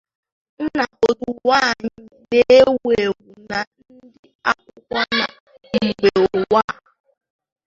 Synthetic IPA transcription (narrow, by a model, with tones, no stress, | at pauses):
n̩˦na˨o˨du˨wa˦˨ɲɪ˦ne˦e˦we˨ɡu˨na˨n̩˦dɪ˦a˦kʷʊ˦kʷa˦na˨ | ŋ̩˨ɡ͡be˨o˨wa˦˨